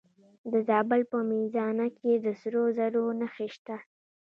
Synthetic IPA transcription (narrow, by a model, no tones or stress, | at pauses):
d̪əzɑbəlpəmizɑnaked̪əsɾozaɾonaxeʃt̪a